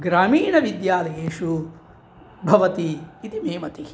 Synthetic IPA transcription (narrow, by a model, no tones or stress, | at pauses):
ɡɾaːmiːɳɐʋid̪jaːlɐjeːʃu | bʱɐʋɐt̪iit̪imeːmɐt̪i